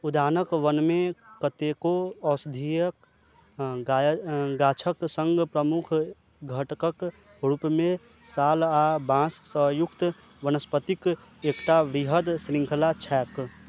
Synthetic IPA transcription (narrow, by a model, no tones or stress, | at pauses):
ud̪aːnəkʋənmẽkət̪ekoɔːsd̪ʱijək | ɡaːt͡ʃʰəksə̃ŋɡpɾəmʊkʰ | ɡʱəʈkək | ɾupmẽ | saːlabãːssəɦjʊkt̪ | ʋənəspət̪ik | eːkʈaʋɾiɦəd̪sɾɪ̃ŋkʰəlat͡ʃʰɛːk